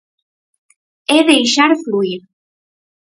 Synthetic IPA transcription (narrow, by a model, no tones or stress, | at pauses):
eðejʃaɾfluiɾ